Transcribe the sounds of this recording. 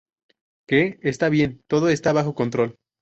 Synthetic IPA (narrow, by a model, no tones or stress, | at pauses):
keest̪aβje̞nt̪o̞ðo̞e̞st̪aβaxo̞ko̞nt̪ɾo̞l